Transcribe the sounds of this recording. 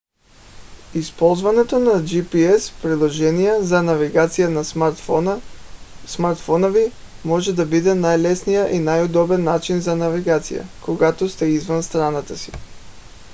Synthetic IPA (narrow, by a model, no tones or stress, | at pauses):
ispɔlˠzvanɛt̪onad͡ʒipiɛspɾid̪lˠɔʒɛnijɛzanaviɡat̪sijana | smaɾt̪fɔnovi | mɔʒɛd̪abid̪ɛnajlɛsnijaʔinajod̪ɔbɛnːat͡ʃinzanaviɡat̪sḭja̰koɡat̪ɔst̪ɛizvanst̪ɾanat̪asi̥